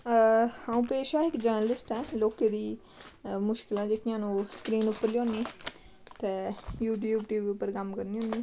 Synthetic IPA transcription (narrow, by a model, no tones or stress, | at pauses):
hãːũːpeːʃãːɪkd͡ʒəɾnəlɪsʈɛːloːkeːd̪iː | mʊʃkɪlãːd͡ʒekʰɪjãːnũːsə̥kɾiːnʊpːəɾlijõːniː | t̪eːjuːʈjuːbʈjuːbpəɾkəmkəɾnĩːɦõːniː